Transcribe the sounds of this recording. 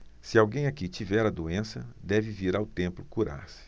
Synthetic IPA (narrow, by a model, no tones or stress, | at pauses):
sɪawɡẽj̃akit͡ʃivɛɾɐd̪oẽsɐ̰d̪ɛvɪviɾawt̪ẽmplʊkuɾa̰ɾsɪ̥